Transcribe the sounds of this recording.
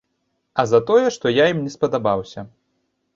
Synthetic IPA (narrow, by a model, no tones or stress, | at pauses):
ɐzɐt̪ɔjɛʂt̪ɔjajimnʲɛspɐd̪abawsʲɐ